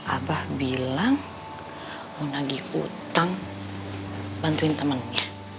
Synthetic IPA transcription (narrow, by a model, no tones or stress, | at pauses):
ʔa̰bahbilaŋ | munaɡiṵt̪aŋ | bant̪uɪnt̪əmənɲa